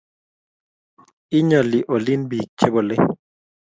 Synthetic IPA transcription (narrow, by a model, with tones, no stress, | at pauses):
i˦ɲɔ˨li˨ʔo˨li˦nbi˨t͡ʃe˦bo˨le˦